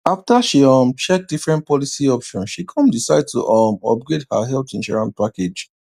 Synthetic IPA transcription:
aftaʃiɔmt͡ʃɛk̚difɹɛ̃nt̚pɔlisiɔpʃɔ̃nʃikʰɔ̃mdisaɪd̚tṵʔɔmɔ̰p̚ɡɹedha̰ɦɛlθĩnʃɔ̰ɹãnpaked͡ʒ

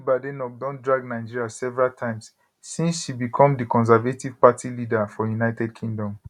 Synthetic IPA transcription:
badenɔk̚dɔ̃ndɹaɡnaɪd͡ʒiɹiasɛvɛɹaltʰãɪ̃msː | ĩnsʃibikʰɔ̃mdikɔ̃ns̬ɛvetivpatʰilidafɔjunaɪtɛdkʰĩŋdɔ̃m

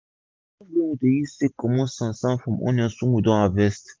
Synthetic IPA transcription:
ɔ̃leŋud̪ejisekɔmɔ̃sãsãfɔ̃mʔɔ̰̃nãsuŋud̪ɔ̃avɛst̪

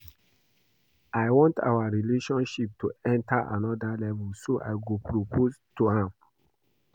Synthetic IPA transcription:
aɪwɔ̃nta̰waɹileʃɔ̃nʃip̚tʰuɛ̃ntʰaʔa̰nɔdalɛvɛlsoʔa̰ɪɡopʰɹopʰostuhãm

